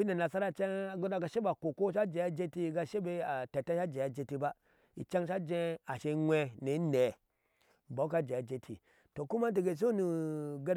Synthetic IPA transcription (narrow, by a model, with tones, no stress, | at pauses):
i˦ne˨na˨sa˦ɾa˨t͡ʃe˦ŋa˨ɡo˦da˦ɡa˦ʃe˦ba˨ko˨ko˦ʃa˦d͡ʒe˨a˦d͡ʒe˦ti˦˨ɡa˦ʃe˦be˦a˨te˨ta˦ʃa˦d͡ʒe˨a˨d͡ʒe˨ti˦ba˦ | ḭ˨t͡ʃa˦ŋʃa˦d͡ʒẽ˦a˨ʃe˨˦ŋʷe˦ne˨˦ne˨ | ba˨˦ka˦d͡ʒe˨a˨d͡ʒe˦tʰi˨ | to˨ku˦ma˦t̬i˨ɡe˨s̬o˦nu˨ɡe˦ɾ